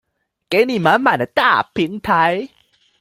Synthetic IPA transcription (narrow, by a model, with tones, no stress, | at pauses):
ke˨˦ni˨ma˨˦ma˨na˨˦t̪a˧˨˩pʰi˧˥ə˦ŋt̪ʰa˧˦j